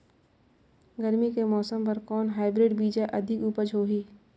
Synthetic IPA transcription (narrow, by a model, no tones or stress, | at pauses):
ɡəɾmikemɔːsəmpɐɾkɔːnɦaːɪbɾeːɖbiːd͡ʒaʔɐd̪ʱɪkuːpəd͡ʒʱɦoːɦiː